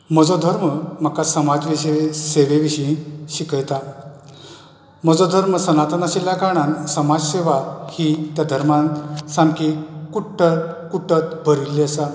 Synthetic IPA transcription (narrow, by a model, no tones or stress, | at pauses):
məd͡zɔd̪ʱəɾməm̤akasəmad͡zʋiɕiʋeseʋeʋiɕiɕikəjt̪a | məd͡zɔd̪ʱəɾməsənat̪ənaɕilːakaɽ̃ansəmad͡zɕeʋahiːt̪jad̪ʱəɾmansãmkikuʈʰːətkuʈːət̪bʱəɾilːiəsa